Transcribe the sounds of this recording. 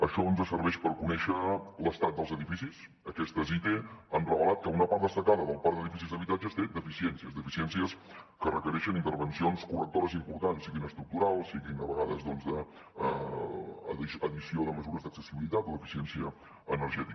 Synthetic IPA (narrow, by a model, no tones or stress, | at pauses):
əʃɔɔnzəsəɾβɛʃpəɾkunɛʃələst̪at̪̚d̪əlˠzəðifisis | əkɛst̪əzit̪eənrəβəlat̪̚kəunəpaɾt̪d̪əst̪əkaðəðəlˠpaɾd̪əðifisizðəβit̪ad͡ʒəst̪ed̪əfisiɛnsiəzd̪əfisiɛnsiəskərəkəɾɛʃənint̪əɾβənsionskurək̚t̪oɾəzimpuɾt̪ansiɣinəst̪ɾuk̚t̪uɾalˠsiɣinəβəɣaðəzðɔnzðə | iəðisioðəməzuɾəzðəksəsiβilit̪at̪ləfisiɛnsiəː | nəɾʒɛt̪ikə